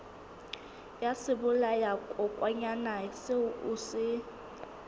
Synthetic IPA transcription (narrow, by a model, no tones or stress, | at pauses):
jasɪbʊlajakʼɔkʼwaɲanaseuʔusɪ